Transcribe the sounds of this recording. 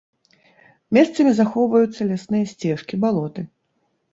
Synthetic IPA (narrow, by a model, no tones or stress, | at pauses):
mʲɛst̪sɐmʲizaxɔwvɐjut̪sːɐlʲasnɨjɐsʲt͡sʲɛʂkʲibalˠɔt̪ɨ